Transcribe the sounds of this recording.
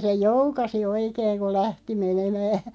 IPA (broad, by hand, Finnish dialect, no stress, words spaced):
se joukɑsi oikeːŋ ko læhti menemæː